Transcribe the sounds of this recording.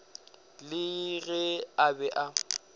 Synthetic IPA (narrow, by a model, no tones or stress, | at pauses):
lɪɣɛabɛʔa